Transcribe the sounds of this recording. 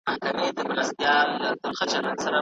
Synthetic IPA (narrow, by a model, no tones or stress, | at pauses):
ahkamed̪əmɾast̪jɑlːad̪əlxat͡ʃaɾansaɾa